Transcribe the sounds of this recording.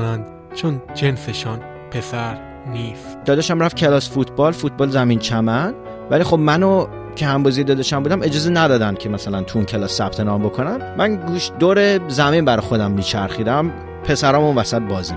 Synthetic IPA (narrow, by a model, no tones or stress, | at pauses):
nænd̪ | t͡ʃʰond͡ʒenseʃɒn | pʰesæɾ | nisd̪ɒːd̪eʃæmɾæfcʲʰe̞lɒːsfut̪ʰbɒlfut̪̚ʰbɒːlzæmint͡ʃʰæmænd̪ | vælixo̞bmæno | cʰehæmbɒzijed̪ɒːd̪eʃæmbuːd̪æme̞d͡ʒɒːzenæd̪ɒːd̪ænd̪̚cʰemæsælænt̪ʰuːncʰe̞lɒːsːæp̚t̪ʰe̞nɒːmbo̞kʰonæmːænɡuːʃd̪oːɾezæminbæɾɒxo̞d̪æmːit͡ʃʰæɾxiːd̪æm | pʰe̞sæɾɒːmunvæsæt̪̚bɒːzi